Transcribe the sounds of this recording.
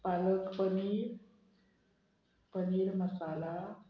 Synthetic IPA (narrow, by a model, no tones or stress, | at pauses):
paləkpəni | pəniːɾməsala